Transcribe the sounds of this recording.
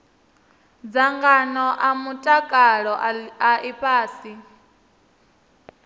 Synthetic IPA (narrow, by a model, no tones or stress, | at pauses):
d͡zaŋɡanɔʔamutʼakʼaɺɔaʔipʼaːsi